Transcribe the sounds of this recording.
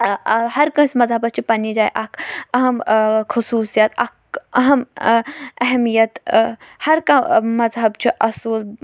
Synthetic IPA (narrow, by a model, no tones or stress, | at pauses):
hɐɾkɐ̃smɐzɦɐbɐst͡ʃʰipɐnid͡ʒaːjʔɐkɐɦɐmkʰʊsuːsijɐt̪ɐ̰kɐɦɐm | ɐɦmijɐt̪hɐɾkamɐzɦɐbt͡ʃʰiʔɐsuːl